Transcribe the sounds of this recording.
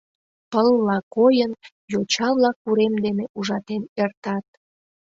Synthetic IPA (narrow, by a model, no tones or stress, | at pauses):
pəlːɑkojən | jot͡ɕɑβlɑkːuɾemd̪eneʔuʒɑt̪enert̪ɑt̪̚